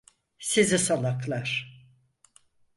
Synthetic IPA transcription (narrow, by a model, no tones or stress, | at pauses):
sizisalˠaklˠaɾ̥